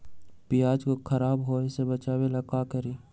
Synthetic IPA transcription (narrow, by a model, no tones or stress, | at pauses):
pɪjaːd͡ʒkokʰəɾaːbɦoɪsebət͡ʃaːbelakakəɾiː